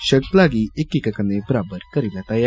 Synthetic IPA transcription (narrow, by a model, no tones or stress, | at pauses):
ʃɐɾt̪laːɡiʔekːikːɐkːɐnːepɾaːbɐɾkɐɾilːɐt̪ɐja